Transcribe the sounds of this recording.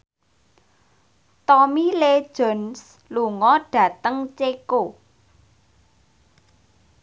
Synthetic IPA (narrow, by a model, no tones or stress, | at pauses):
t̪ɔmile̥ʒ̥ɔ̤ns | luŋɔɖ̥ä̤t̪əŋt͡ʃeko